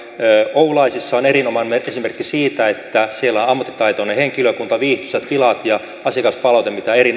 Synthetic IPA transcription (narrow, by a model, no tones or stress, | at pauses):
øoulɑisisːɑonerinomɑnmeesimerkːisiːt̪æet̪ːæsielːæonɑmːɑt̪ːi̥t̪ɑit̪oneheŋkiløkunt̪ɑʋiːht̪y̥set̪t̪ilɑt̪jɑ | ɑsiɑkɑspɑlɑout̪emit̪æerin